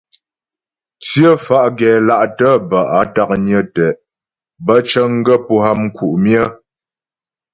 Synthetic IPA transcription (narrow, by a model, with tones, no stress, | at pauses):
t͡sjə˦fa˦ʔɡɛ˨la˦˨ʔtə˦bə˨ʔa˨ta˦k̚ɲə˦tɛ˨ʔ | bə˦t͡ʃə˦ŋ˦ɡə˦pu˦ɦa˦m̩˦ku˨ʔmjə˦